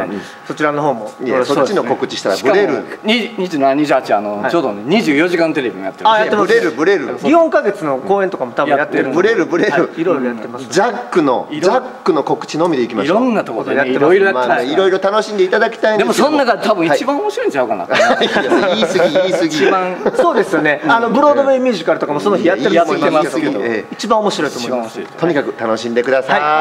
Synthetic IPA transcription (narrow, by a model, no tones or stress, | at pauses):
so̞t͡ɕiɾano̞ɦo̞ːmojesot͡ɕːinoko̞kɯ̟t͡ɕi̥ɕi̥t̪aɾaibɯaɾeɾɯ̟ɲiɲiʑɨːnanɲiʑɨːhat͡ɕiano̞t͡ɕoːd̪oneɲ̟iʑɨːjo̞ʑikãnt̪̬e̞ɾe̞bʲiɲijat̪ːeajat̪ːemɾeɾɯbɯ̟ɾe̞ɾɯsɲihõŋkaɡe̞t͡sɨno̞koːẽnt̪okamot̪abjɯãjat̪ːeɾbɯ̟ɾe̞ɾɯbɯ̟ɾeɾɯiɾoiɾojat̪ːemasd͡ʑakːɯ̟no̞̰iɾd͡ʑakːɯ̟no̞ko̞kɯ̟̥t͡ɕinoːmʲid̪eikʲimanːat̪okot̪oejatːe̞maɾoamaeiɾo̞iɾo̞t̪ano̞ɕĩnd̪e̞it̪ad̪akʲi̥t̪aind̪esõnːaɡat̪ʰabɯ̟̃iat͡ɕibãomoɕiɾoĩɲt͡ɕaɯkana̰iisɨɡiisɨɡʲiãso̞ːd̪e̞sɨjone̞anobɯ̟ɾo̞d̪o̞meimʲjiːʑikaɾɯ̟t̪o̞kamoso̞no̞çijat̪ːeɯtmoimaːemasesoeoḛit͡ɕibãomo̞ɕiɾo̞it̪omt̪o̞ɲ̟ikakɯ̟t̪ano̞ɕĩnd̪e̞kɯ̟d̪asai